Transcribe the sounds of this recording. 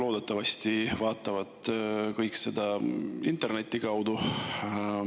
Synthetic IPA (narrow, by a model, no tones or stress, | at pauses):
lo̞ːd̪e̞t̪ːˑɑvɑst̪ivɑːt̪ːˑɑvɑd̪̥kɤjkse̞d̪̥ɑint̪e̞rne̞t̪ʲːikɑwd̪u